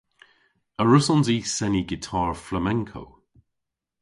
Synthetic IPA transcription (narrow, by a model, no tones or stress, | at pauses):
əɹʊsɔnziːsɛniɡɪtʰɑːɹfləmɛ̃ŋkʰo̰w